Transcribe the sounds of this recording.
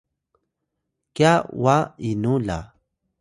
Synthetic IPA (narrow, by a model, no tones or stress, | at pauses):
kjawainula̰